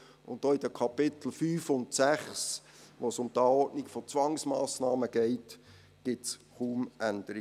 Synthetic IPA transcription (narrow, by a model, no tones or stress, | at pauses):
ʊ̰ntdoːid̥əkʰɑpɪt̪l̩fyːfʊntsæχs | ʋosʊmd̪æːɔdniɡfɔt͡sʋɑŋsmɑːsnɑːməɡ̥ɛɪt | ɡ̥ɪtsχuːmʔænd̥̪əɾi